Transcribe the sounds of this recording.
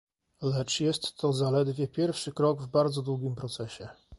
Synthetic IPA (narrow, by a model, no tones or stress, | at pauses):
lɛt͡ʂjɛst̪ːɔzalɛd̪vʲjɛpʲjɛɾfʂɘkɾɔɡvbaɾd̪zɔd̪wuɡʲimpɾɔt̪sɛɕɛ